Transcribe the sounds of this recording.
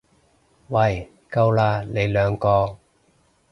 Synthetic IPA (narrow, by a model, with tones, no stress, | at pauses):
wɐ˨˩j | kɐ˧wlaː˧˩le˨˧jlœː˨˧ŋkɔː˧